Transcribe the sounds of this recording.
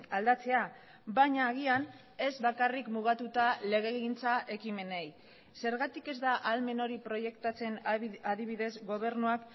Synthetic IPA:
ald̪at͡se̞a | baɲaːɣ̞ian | e̞zβakarikmuɣ̞at̪ut̪ale̞ɣ̞e̞ɣint͡saʔe̞kime̞nej | se̞ɾɣat̪ike̞zd̪aʔalme̞no̞ɾipɾo̞je̞kt̪at͡se̞naðiβ̞iðe̞zɡo̞βe̞ɾnuak

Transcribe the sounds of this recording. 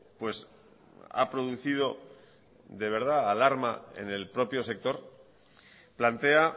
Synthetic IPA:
pwe̞s | a̰pɾo̞ðuθið̞o̞ | ðe̞β̞e̞ɾð̞aːlaɾmae̞̰ne̞lpɾo̞pjo̞se̞k̚t̪o̞ɾ | plant̪e̞a

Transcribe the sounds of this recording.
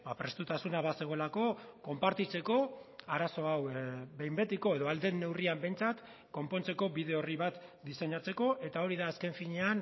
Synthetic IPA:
bapɾe̞st̪ut̪asunaβase̞ɣ̞o̞elako̞ko̞mpaɾt̪it͡se̞ko̞aɾaso̞awβe̞jmbe̞t̪iko̞e̞ðo̞ald̪enːe̞wriambe̞jnt͡sat̪ | ko̞mpo̞nt͡se̞ko̞βið̞e̞o̞riβ̞at̪d̪ise̞ɲat͡se̞ko̞ʔe̞t̪ao̞ɾiðaːske̞ɱfiɲean

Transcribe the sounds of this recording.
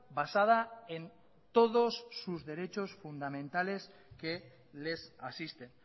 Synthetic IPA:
basað̞ae̞n | t̪o̞ð̞osːuzðe̞ɾe̞t͡ʃo̞sfund̪amẽ̞nt̪ale̞s | ke̞ | le̞sasist̪en

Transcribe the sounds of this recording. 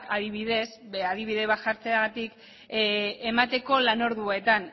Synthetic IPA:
kaðiβiðe̞sað̞iβiðe̞βat̪ʝaɾt͡seaɣat̪ik | e̞mat̪e̞ko̞lano̞ɾðuet̪an

